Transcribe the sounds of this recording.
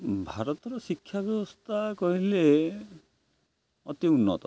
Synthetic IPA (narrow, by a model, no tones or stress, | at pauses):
bʱaɾɔt̪ɔɾɔsikʰːjabjɔbɔst̪ʰakɔɦile | ɔt̪iunːɔt̪ɔ